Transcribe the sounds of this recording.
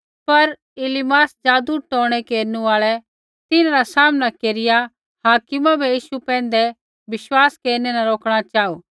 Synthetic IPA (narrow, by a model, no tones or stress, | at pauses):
pɐɾ | ɪlɪmaːsd͡ʒaːd̪uʈɔːɽ̃ɛkeːɾnũaːɭɛ | t̪ɪnaɾasaːmnakeːɾɪja | haːkɪmabʱɛjiːʃupɛ̃ːnd̪ɛ | ʋɪʃwaːskeːɾnɛnãɾoːkʰɽ̃at͡ʃaːuː